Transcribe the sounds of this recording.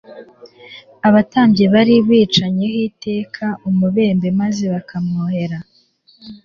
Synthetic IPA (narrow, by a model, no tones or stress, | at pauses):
aβataːmbɟe̞βaɾiβɣiːt͡ʃaɲe̞hiːte̞ːkʰaʔumuβe̞ːmbe̞maze̞βakʰamuhe̞ɾa